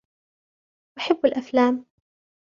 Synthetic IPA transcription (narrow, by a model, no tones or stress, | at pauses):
ʔaħabːɪlʔaflaːm